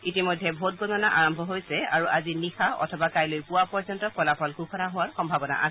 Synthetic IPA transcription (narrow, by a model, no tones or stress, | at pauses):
itimojdʱːɛbʱot̚ɡɔnɔnaʔaɹɔmbʱɔɦojsɛaɹuʔazinixaɔ̰tʰɔbakajlojpʊwapɔɹzɔntɔkɔlapʰɔlkukʰɔnaɦʊwaɹxɔmbʱabɔna̰ʔa̰sɛ